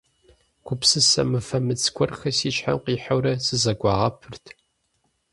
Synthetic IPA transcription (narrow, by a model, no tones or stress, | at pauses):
kʷʰʊpsɨsɐ̰mɨfɐmɨt͡sʰkʷʰɔrxɐsiːʃħa̰mqiːħawɾɐsɨzɐɡʷɑːʁɐpʰɨrtʰ